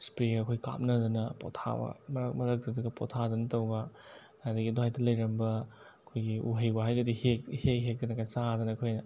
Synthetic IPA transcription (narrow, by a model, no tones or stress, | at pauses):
spɾeɡɐkʰojɡika̰m̚nɐdɐnɐpo̰tʰa̰bɐ̰mɐɾɐk̚mɐɾɐk̚dɐduɡɐpo̰tʰadɐnɐtɐwɡɐ | adɐɡidohajtɐlɐjɾɐmbɐ | ɐkʰojɡiṵɦɐjbaɦajɡɐdihek̚hekɦek̚dɐnɐkajsadɐnɐkʰojnɐ